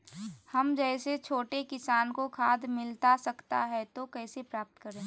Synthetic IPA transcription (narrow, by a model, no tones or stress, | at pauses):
hɐmd͡ʒɛːset͡ʃʰoːʈekɪsaːnkokʰaːd̪mɪlt̪asɐkt̪a̰ɦɛt̪okɛːsepɾaːp̚t̪kəɾẽː